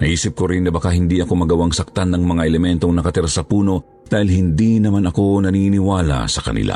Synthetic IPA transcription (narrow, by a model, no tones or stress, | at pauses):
nɐʔiːsɪp̚koɾɪnːɐbɐkahɪnd̪iʔɐko̞mɐɡɐwaŋsɐk̚t̪anːɐŋmɐŋaʔɛlɛmɛnt̪o̞ŋnɐkɐt̪ɪɾasɐpuːno̞ | d̪̥aːhɪlhɪnd̪inɐmanɐko̞nɐninɪwaːlɐ̰sɐkɐ̰nɪ̰lʔa̰